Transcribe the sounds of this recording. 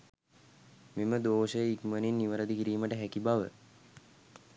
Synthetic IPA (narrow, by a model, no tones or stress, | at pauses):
meməd̪oːʃəjəikməninːiʋəɾəd̪ikiɾiːməʈəɦækibaʋə̰